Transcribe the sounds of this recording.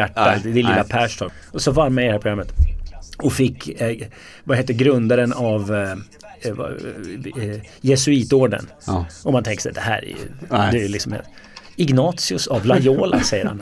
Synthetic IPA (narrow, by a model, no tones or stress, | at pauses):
æʈːad̪ɪlɪ̰ːlːapʰæːʂtʰɔɔsɔvaɾmaɾd̪hæɾpʰɾʊɡɾamːət̪ | ɔfɪkː | vaheːt̪ːəɾɡɾɵnd̪aɾənav | v̰ | jɛsʉiːt̪oːɖə̰n | ɔmhant̪ʰɛŋk̪ə̥sɛ̰jd̪ɛhæ̰ːɾɛ̰j̰̪ɛlɪksɔmhḛ | ɪɡnɑːt̪sɪʊsavlajoːla̰sɛjːəɾha̰n